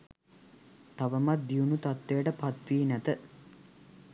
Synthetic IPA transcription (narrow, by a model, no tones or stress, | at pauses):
t̪aʋəmat̪̚d̪iunut̪at̪ʋejəʈəpat̪ʋiːnæt̪ə